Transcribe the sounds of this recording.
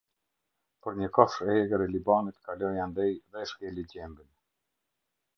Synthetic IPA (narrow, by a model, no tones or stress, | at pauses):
pəɾɲəkɔʃɛɛɡəɾɛlibanit̪kalɔjand̪ɛjðɛʃkɛliɟɛmbin